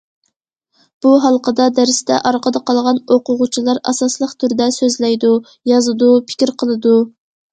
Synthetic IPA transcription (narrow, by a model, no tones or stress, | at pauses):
b̥uɦɑlˠqʰəd̪ɑd̪æɾsɪd̪ɛ̰ʔɑɾqəd̪əqʰɑlˠʁɑnoqʊʁut͡ʃʰilˠɑɾɑ̰sɑslˠəχt̪ʰyɾd̪ɛsøzlɛjd̪u | jɑzɨd̪upʰɪ̥kʲɪɾqʰəlˠɨd̪u